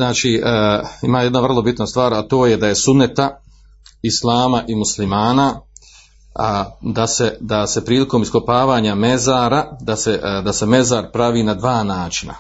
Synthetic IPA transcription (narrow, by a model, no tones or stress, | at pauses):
znaːt͡ʃiːimaːje̞d̪naʋr̩lˠo̞bit̪nast̪ʋaːɾat̪o̞ːje̞d̪aje̞sunnːet̪a | islˠaːmaʔimuslimaːna | d̪ased̪ase̞pɾiːlikoːmisko̞paːʋaːɲame̞zaːɾad̪ased̪ase̞me̞zaːɾpɾaʋiːnad̪ʋaːnaːt͡ʃina̰